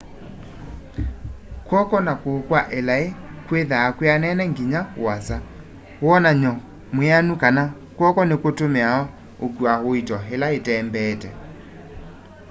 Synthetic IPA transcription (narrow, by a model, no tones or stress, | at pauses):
kwɔkɔnakokwaʔelaekweðaːkweanɛnɛŋɡiɲawasa | wɔnaɲɔ | mweanukana | kwɔkɔnekotomeaɔ | okwahoitɔɦelaetɛːmbɛːtɛ